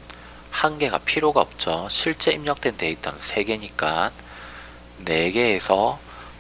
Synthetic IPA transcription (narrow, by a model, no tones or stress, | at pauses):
hanɡe̞ɡa̰pʰiɾjoɡaʌp̚t͡ɕ͈ʌɕʰiɭt͡ɕ͈e̞imɲʌk̚t͈we̞nte̞it̚t͈a̰nɯnsʰe̞ɡe̞ɲik͈an | ne̞ɡe̞ːsʰʌ